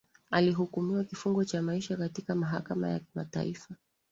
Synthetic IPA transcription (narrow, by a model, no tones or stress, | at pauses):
aliɦukumiwakifuŋɡɔt͡ʃamaiʃakatikamaɦa̰kama̰ja̰kima̰ta̰ifa